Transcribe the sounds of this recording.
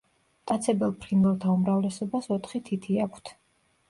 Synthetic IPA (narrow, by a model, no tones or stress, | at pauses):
t̪ʼat̪sʰɛbɛlˠpʰɾinvɛlˠt̪ʰaumɾavlɛsɔbasɔt̪ʰχit̪ʰit̪ʰiakʷʰt̪ʰ